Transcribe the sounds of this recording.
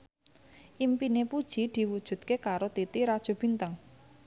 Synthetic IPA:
ʔimpinepud̥ʒ̥i̤d̪̥i̤wud̥ʒ̥ṳt̪̚kekaɾot̪it̪iɾad̥ʒ̥o̤b̥i̤nt̪əŋ

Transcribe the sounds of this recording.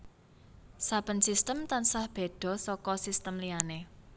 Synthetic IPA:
sab̥ə̤nsist̪əmt̪ansahb̥e̤ɖ̪̥ɔ̤sɔkɔsist̪əmlijane

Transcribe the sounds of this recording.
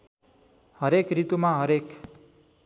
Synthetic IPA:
ɦʌɾekɾit̪umãɦʌɾek

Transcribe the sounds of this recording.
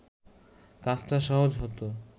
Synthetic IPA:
kat͡ɕʈaʃɔɦod͡ʑɦɔt̪o

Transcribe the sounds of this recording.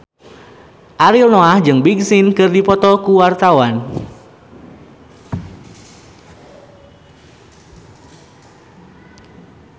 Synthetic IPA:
ʔaɾilnoahd͡ʒɨŋbiɡsɪnkɨrdipɔt̪ɔkuwart̪awan

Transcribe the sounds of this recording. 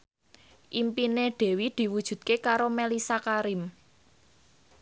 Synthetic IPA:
ʔimpineɖ̥e̤wid̪̥i̤wud̥ʒ̥ṳd̪̚kekaɾomelisakaɾɪm

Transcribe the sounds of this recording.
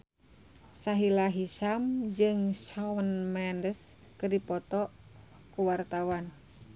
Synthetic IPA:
saɦilaɦiʃamd͡ʒɨŋsɔwənmɛndəs | kɨrdipɔt̪ɔ | kuwart̪awan

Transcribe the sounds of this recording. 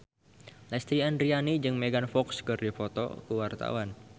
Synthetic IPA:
lɛst̪ɾiandɾianid͡ʒɨŋmeɡanfɔkskɨrdifɔt̪ɔ̰kuwart̪a̰wan

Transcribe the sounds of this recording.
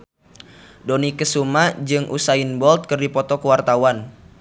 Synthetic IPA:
dɔnikəsumad͡ʒɨŋʔṵsainbɔlt̪̚kərdipɔt̪ɔkəwart̪awan

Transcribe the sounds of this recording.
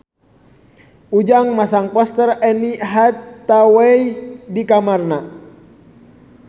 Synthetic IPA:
ud͡ʒaŋmasaŋpɔst̪ərɛniɦat̪ːawɛjdikamarna

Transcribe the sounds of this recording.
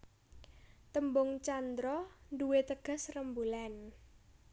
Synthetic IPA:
t̪əmbʊŋt͡ʃand̪ɾɔnduwet̪əɡ̥a̤srəmbulan

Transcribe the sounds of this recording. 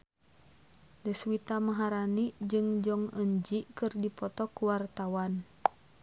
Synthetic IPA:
dəswit̪amaɦaɾanid͡ʒɨŋd͡ʒɔŋəɲd͡ʒikɨrdipɔt̪ɔkuwart̪awan

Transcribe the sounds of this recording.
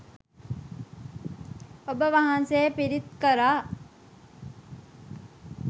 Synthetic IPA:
obəʋaɦansejpiɾit̪kəɾaː

